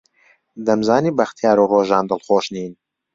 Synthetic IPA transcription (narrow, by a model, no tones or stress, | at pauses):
d̪ɐmzaːniːbɐxt̪jaːɾuroːʒɑːnd̪ɨlxoːʃniːn